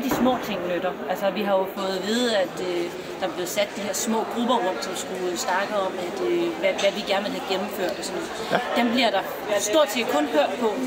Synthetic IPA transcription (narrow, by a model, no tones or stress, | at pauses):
d̥ismɔ̰ːt͡sʰe̝ŋ̰nød̥ɐælsɒʋiɦɑ̈jo̝fɔ̽ːð̩ˠʋe̝ð̞ˠæd̥ø | d̥ɑ̈ɑb̥le̝ːð̩ˠsæd̥̚ːdiɦeɐ̰smɔ̰̽ːɡ̥ʁub̥ɐʁɔ̽m̰sɒ̽msɡ̥usnɑ̈ɡ̥ð̩ˠɒ̽m̰æd̥øʋæʋæʋiɡ̥æɐnʋelhæɡ̥emm̩føɐ̰d̥ɒsɒ̽nɔ | d̥emb̥liɐɾ̥ɑ̈ | sd̥o̝ɐ̰d̥sʰe̝ːkʰɔ̽nhøɐ̰d̥̚pʰɒ̽